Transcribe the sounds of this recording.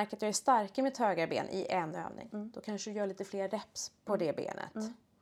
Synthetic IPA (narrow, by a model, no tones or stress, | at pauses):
æɾkat̪jɑːɡæʂt̪aɾkəmɪt̪høːɡaɾbḛːnʔɪʔɛnø̰ːvnɪ̰ŋd̪̥ɔkʰanʂəd̪ɵjœːɭiːt̪əfleːɾːɛpspʰɔd̪ɛbḛːnʔə̰t̪